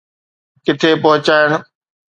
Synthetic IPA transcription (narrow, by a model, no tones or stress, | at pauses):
kɪʈ̪ʰepɐɦʊt͡ɕaːɪɽ